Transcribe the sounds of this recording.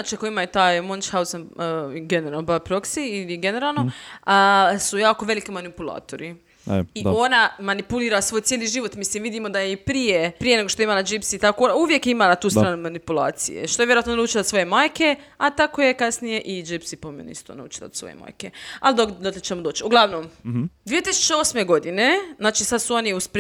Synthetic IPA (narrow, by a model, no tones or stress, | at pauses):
at͡ʃakoimajt̪aːjmont͡ʃhawsanɡeneɾaːlˠnobapɾoksiːliɡeneɾaːlˠno | sujaːkoʋe̞likimanipulˠa̰ːt̪oɾi | io̞namanipuliːɾasʋoːjt̪jeliʒiʋo̞t̪mislimʋid̪imo̞d̪ajeipɾijepɾijeneɡo̞ʃt̪oimanad͡ʒipsiːt̪akoonauʋjekimanat̪uːst̪ɾaːnumanipulˠa̰ːt̪sḭjḛʃt̪o̞jʋjeoat̪nonaut͡ʃilaso̞je̞maːjke̞at̪akoje̞kasnije̞ʔid͡ʒipsipomḛn̰ḭst̪o̰na̰ṵt͡ʃi̥la̰sʋo̰jḛma̰ːjkea̰ld̪okd̪oklet͡ʃemod̪o̞ːt͡ʃiuɡlˠaʋnomd̪ʋijet̪isu̥t͡ʃeo̞sme̞ɡo̞d̪ineznaːt͡ʃisad̪suo̞niusp